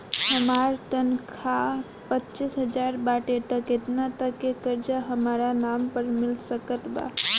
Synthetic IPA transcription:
həmaɾt̪ənkʰa | pətːt͡ʃisɦəd͡ʒaɾbaʈet̪əket̪nat̪əkekəɾd͡ʒaɦəmaɾanampəɾmilsəkət̪ba̰

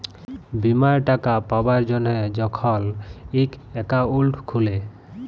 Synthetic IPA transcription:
bimaɹʈakapabaɹd͡ʒɔnɛd͡ʒɔkʰɔlikɛkaulʈʰkʰule

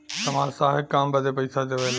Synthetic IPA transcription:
sɐmaːɾsaːɦɪkːaːmbɐd̪epɐisad͡ʑeːʋela

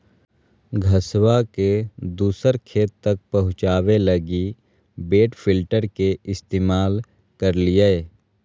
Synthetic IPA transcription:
ɡʱəswaked̪uːsəɾkʰeːt̪ːɐk̚pɐɦʊ̃t͡ʃaːwelɐɡi | beːʈpʰɪlʈəɾkeɪst̪eːmaːl | kəɾlie

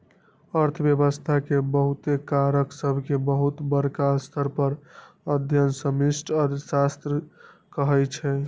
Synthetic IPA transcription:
əɾt̪ʰəbjəbəst̪ʰakebəɦut̪ekaɾəksəbʱkebəɦut̪bəɾkast̪ʰəɾpəɾ | əd̪ʱjənsəmisʈʰəɾsast̪ɾə | kəɦɛt͡ʃʰɛ

